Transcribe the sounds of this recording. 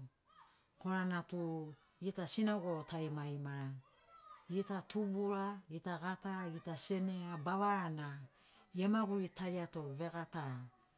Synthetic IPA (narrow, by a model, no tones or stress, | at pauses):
ko̞ɾanatu | itasinaɡotajmaɾimaɾa | itatubuɾaitaɡataɾaɡitase̞neɾabaβaana | iemaɡuɾitaɾiato̞βe̞ɡata